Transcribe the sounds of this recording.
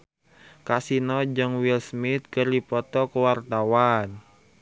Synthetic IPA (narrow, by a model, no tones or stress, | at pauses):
kasinɔd͡ʒɨŋwilsmɪt̪̚kərdipɔt̪ɔkəwart̪awan